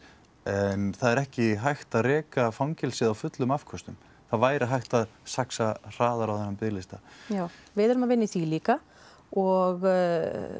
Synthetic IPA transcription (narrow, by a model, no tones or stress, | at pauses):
ɛnθaðɛɾɛhcɪɦajxt̪aðrɛːkafawŋcɛlsɪðawfʏt̪lʏmafkʰɔst̪ʏm | θaðvaːjɾɪɦajxt̪aðsaksar̥aːðaɾawθɛnːapɪlɪst̪ajaːwvɪðɛɾʏmavɪnːɪθiliːka | ɔɣ